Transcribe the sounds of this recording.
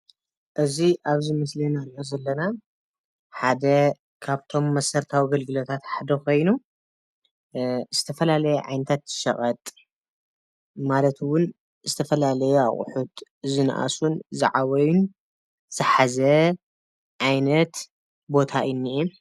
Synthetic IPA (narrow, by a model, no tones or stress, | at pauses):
ʔɨziʔaβzimɨslinaɾiʔozɐlːɐna | ħad̪ɐ | kʰaβt̪ʰo̞mːɐsɐɾt̪ʰawiɡɐlɡɨlot̪ʰat̪ħad̪ɐkʰo̞jnu | z̥ɨt̪ʰɐfɐlalɐjɛʕa̰jnɐt̪ʰat̪z̥ɨ̥ʃɐ̰ɣʼɐt̪ʼ | malɐt̪wʊn | zɨt̪ʰɐfɐlalɐjua̰χʼʊ̰ħut̪ | zɨn̰ʔa̰sunzɨ̰ʕaβɐjun | z̥ɨħazɐ | ʕajnɐt̪ | bo̞t̪ʰainːiʔɛ